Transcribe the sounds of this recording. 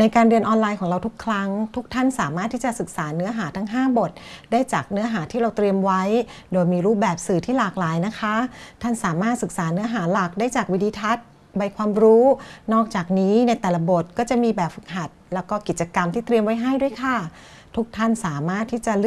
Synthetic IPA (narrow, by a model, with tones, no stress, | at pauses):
na˧jkaː˧nɾɯ˧ənʔɔː˧nlaː˧jkʰɔː˩˦ŋɾa˧wt̪ʰu˦˥kʰɾa˦˥ŋt̪ʰu˦˥k̚t̪ʰa˥˩nsaː˩˦maː˥˩t̪ʰːiː˥˩t͡ɕa˨˩sɯ˨˩k̚saː˩˦nɯ˦˥ɐɦaː˩˦t̪ʰa˦˥ŋɦaː˥˩bo˨˩t̪̚daː˥˩jt͡ɕaː˨˩k̚nɯ˦˥ɐɦaː˩˦t̪ʰiː˥˩ɾa˧wt̪ɾi˧əmwa˦˥j | doː˧jmiː˧ɾuː˦˥˩p̚bɛː˨˩p̚sɯː˨˩t̪ʰiː˥˩laː˨˩k̚laː˩˦jna˦˥kʰa˦˥t̪ʰa˥˩nsaː˩˦maː˥˩t̪̚sɯ˨˩k̚saː˩˦nɯ˦˥ɐɦaː˩˦la˨˩k̚daː˥˩jt͡ɕaː˨˩k̚wi˦˥dʰiː˧t̪ʰa˦˥t̪̚ | ba˧jkʰwaː˧mɾuː˦˥nɔː˥˩k̚t͡ɕaː˨˩k̚niː˦˥na˧jt̪ɛː˨˩la˦bo˨˩t̪̚kɔː˥˩t͡ɕa˨˩miː˧bɛː˨˩p̚fɯ˨˩k̚ɦa˨˩t̪̚lɛː˦˥wkɔː˥˩ki˨˩t̪̚t͡ɕa˧ka˧mt̪ʰiː˥˩t̪ɾi˧mwa˦˥jɦa˥˩jdu˥˩əjkʰa˧˩ | t̪ʰu˦˥k̚t̪ʰa˥˩nsaː˩˦maː˥˩t̪ʰːiː˥˩t͡ɕa˨˩ɯ˥